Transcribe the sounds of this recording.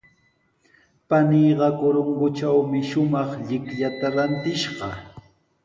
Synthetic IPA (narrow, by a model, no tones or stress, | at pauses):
paniɢɑkʊɾoŋɡʊt͡ʃawmɪʃʊmɑχʎɪkʎat̪aɾant̪ɪʃɢɑ